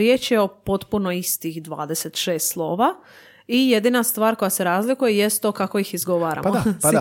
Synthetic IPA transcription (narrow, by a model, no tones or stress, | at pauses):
ɾje̞ːt͡ʃjeo̞po̞t̪punoist̪ixd̪ʋa̰ːd̪e̞set̪ʃeːst̪slˠo̞ːʋa | ije̞d̪inast̪ʋaːɾko̞jase̞ɾaːzlikujejest̪okako̞ixizɡo̞ʋaːɾa̰m